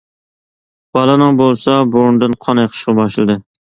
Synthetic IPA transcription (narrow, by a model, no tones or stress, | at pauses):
b̥ɑlˠɨnɨŋbolˠsɑboɾnd̪ɨnqʰɑnɨjqʰə̥ʃʁɑbɑʃlˠɨd̪ɨ